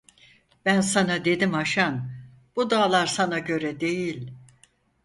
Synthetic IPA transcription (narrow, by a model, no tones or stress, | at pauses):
b̥ænsanad̪e̞d̪imaʃan | b̥ud̪aːlˠaɾsanaɟø̞ɾɛd̪e̞jilʲ